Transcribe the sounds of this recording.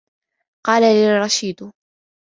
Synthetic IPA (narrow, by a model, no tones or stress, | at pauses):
qɑːlalɪrˤɑʃiːd̪